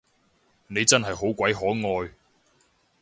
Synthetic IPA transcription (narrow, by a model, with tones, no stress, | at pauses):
ne˨˧jt͡sɐ˥nɦɐ˨jɦo˨˥wkʷɐ˨˥jɦɔː˨˥ŋɔː˧j